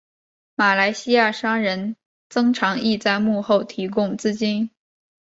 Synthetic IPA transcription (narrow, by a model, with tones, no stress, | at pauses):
ma˨˩la˧˥ɪɕi˥ja˥˩ʂɑ˥ŋɻə˧˥n | t͡sɤ˥ŋʈ͡ʂʰɑ˧˥ŋi˥˧t͡sa˥˧ɪmu˥˧xo˥˩ʊt̪ʰi˧˥kʊ˥ŋt͡sɹ̩˥˧t͡ɕi˥n